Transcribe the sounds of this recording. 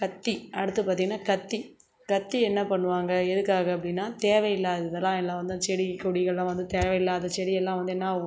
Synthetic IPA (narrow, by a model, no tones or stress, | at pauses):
kɐt̪ːiɐɽɯt̪ːɯpːaːɾt̪iŋɡɐnːaːkɐt̪ːi | kɐt̪ːiɛnːɐpɐɳːɯʋaːŋɡɐɛðɯkːaːɣɐɐp̬ːɐɽɪnːaːt̪eːʋɐjɪlːaːðɯðɐlːãːɛlːãːʋɐnd̪ɯt͡ʃɛɽɪkuɽɪɣɐɭlãːʋɐnd̪ɯt̪eːʋɐjɪlːaːðɐt͡ʃɛɽɪjɛlːãːʋɐnd̪ɯɛnːaː